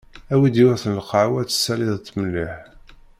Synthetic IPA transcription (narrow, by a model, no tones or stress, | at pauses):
æwid̪iwæθələləqəʕwæt͡sːə̥sːæliðˤt̪ːmlːiħ